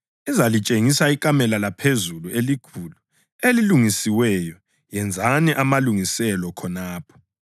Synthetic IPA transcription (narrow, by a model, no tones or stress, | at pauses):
izalit͡ʃʼeŋisaikʼamɛlalapʰezuluelikʰuːlu | eliluŋisiwɛjɔ | jɛnd͡zʱaniʔamaluŋisɛlɔkʰɔnaːpʰɔ̥